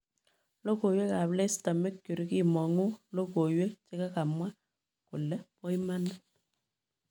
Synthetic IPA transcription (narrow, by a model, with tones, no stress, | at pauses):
lo˦ko˨jwe˦ka˨βlɛ˦i˦sta˨me˦kju˨ɾi˦ki˦˨mɔ˨ŋu˦lo˦ko˨jwe˦t͡ʃe˦ka˦ka˨mwa˦ | kʊ˨lɛ˦pɔ˦i˦ma˦na˦